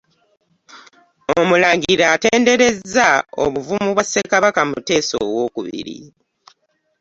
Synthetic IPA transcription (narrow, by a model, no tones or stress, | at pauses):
omulaːŋɡiɾaːte̞ːnde̞ɾe̞zːao̰βuvumuβwasːe̞kaβakamute̞ːso̰ːwo̞ːkuβḭɾḭ